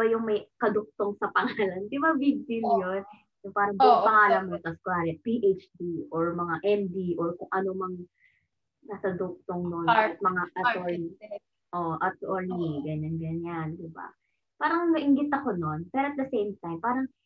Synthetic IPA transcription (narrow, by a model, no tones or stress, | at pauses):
bajʊŋmɐjkɐd̪ʊk̚t̪oŋsɐpɐŋaːlɐnd̪ɪbabibɪljon | jʊŋpaːɾɐŋbɪpɐŋaːlɐmmosɐskwaːɾɛpiʔejt͡ʃd̪iʔoɹmɐŋaʔɛmd̪iʔoɹkʊŋʔɐnomɐŋ | nɐsɐd̪ʊk̚t̪oŋnonɐt̪̚mɐŋaʔɐo | ʔoʔɐt̪oɹnɪɡɐɲanɡɐɲand̪ɪba̰ | paːɾɐŋnɐʔɪŋɡɪt̪ɐko̞no̞npɛɾoɐt̪̚d̪ɐsejmt̪ajmpaːɾɐŋ